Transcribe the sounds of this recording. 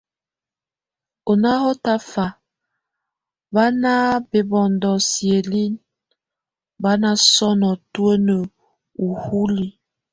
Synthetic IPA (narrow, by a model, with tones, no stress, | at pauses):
o˨na˦hɔ˦ta˦fa˨ | ba˦na˦be˨bɔ˨ndɔ˨sje˨li˦n | ba˦na˦sɔ˦nɔ˨tu˦ə˦nə˨ | u˨hu˦li˨